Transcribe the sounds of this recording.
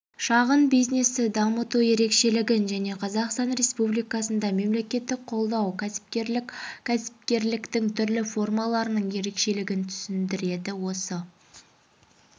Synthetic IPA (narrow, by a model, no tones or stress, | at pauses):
ʃɑʁənbijzne̞sɪd̪ɑmət̪uje̞ɾe̞kʃe̞lɪɡʲɪnʒæne̞qʰɑzɑqst̪ɑnɾʲe̞spublijkɑsənd̪ɑme̞mle̞kʲe̞t̪ːɪk̚qʰo̞lˠd̪ɑwkʲʰæɪ̥pʲʰ | æsɪ̥p̚kʲe̞ɾlɪkt̪ɪŋt̪ʰʏɾlɪfo̞rmɑlˠɑɾənəɴje̞ɾe̞kʃe̞lɪɡʲɪnt̪ʰʏ̥sɪnd̪ɪɾe̞d̪ɪwo̞sə